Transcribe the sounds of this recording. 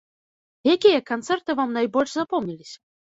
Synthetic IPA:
jakʲijɐkant̪sɛrt̪ɨvamnajbɔlʲʂzapɔmnʲilʲisʲɐ̥

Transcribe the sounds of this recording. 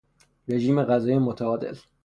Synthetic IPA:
ɾeʒiːmeɣæzɒːjemot̪ʰæɒːd̪e̞̰l

